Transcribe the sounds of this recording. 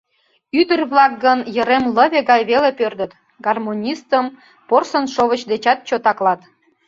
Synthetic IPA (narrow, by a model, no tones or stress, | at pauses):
yd̪ərβlɑk̚ɡənjəɾemləβeɣɑjβelepørd̪ət̪ | ɡɑrmonʲist̪əm | porsənʃoβət͡ɕd̪et͡ɕɑt̪̚t͡ɕot̪ɑklɑt̪